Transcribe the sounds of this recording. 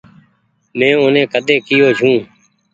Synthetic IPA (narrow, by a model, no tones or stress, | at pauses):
mɛ̃ːʊnẽːkəd̪eːkɪjoːd͡ʒʱũː